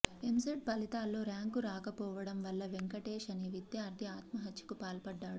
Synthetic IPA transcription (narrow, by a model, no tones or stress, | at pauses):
emseʈ̚pɐlit̪aːlːo̞ːɾaːŋkuɾaːkɐpɔːʋɐɽɐmʋɐlːɐʋeŋkɐʈe̞ːʃɐneʋit̪ːjɐɐɾd̪ʰʱiaːt̪mɐɦɐt̪jɐ̥kupaːlpɐɖːaːɽu